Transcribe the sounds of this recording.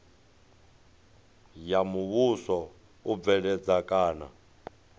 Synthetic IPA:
jamuβusɔ | ub̪vɛɺɛd͡zakʼaːna̰

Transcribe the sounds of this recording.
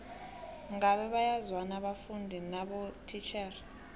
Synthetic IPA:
ŋɡaɓɛɓajazwanaɓafundʱinaɓɔtʰit͡ʃʰʼɛr

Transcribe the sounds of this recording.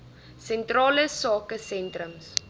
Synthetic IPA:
sɛntrɑːləsɑːkəsɛntrəms

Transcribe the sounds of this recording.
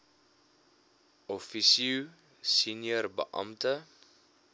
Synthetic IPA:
ʔɔfisiu | sinjərbə̰ʔɐ̰mtə

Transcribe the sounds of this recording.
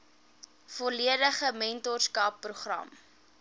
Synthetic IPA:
fɔliədəχəmɛntɔrskɑpːruχrɐ̰m

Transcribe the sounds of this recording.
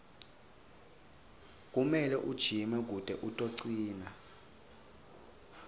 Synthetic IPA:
k̬ʼumɛlɛʔud̥ʒ̥ʱimɛk̬ud̥ʼʱɛʔutʼoǀiːna

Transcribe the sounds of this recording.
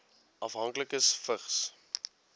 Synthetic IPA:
ɐfɦɐŋkləkəsfəχs

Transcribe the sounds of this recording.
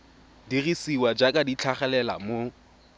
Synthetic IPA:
dirisiwad͡ʒakʼadit͡ɬʰaχɛlɛla̰mo

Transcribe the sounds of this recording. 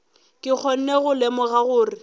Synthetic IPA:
kʼɪk͡xʰɔn̩neɣʊlemʊɣaɣʊːrɪ

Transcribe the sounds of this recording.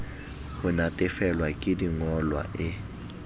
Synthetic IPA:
kʊnatʼɛfɛlwakʼɪdiŋɔlwa̰ʔɪ

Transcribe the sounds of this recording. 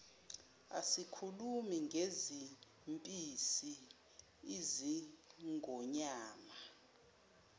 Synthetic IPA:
a̰sikʰulumiŋɡʱezi | mpʼisi | iziŋʱɔɲaːma

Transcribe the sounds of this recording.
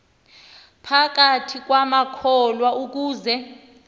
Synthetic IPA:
pʰak̬atʰik̬wamakʰɔlwauk̬uːzɛ

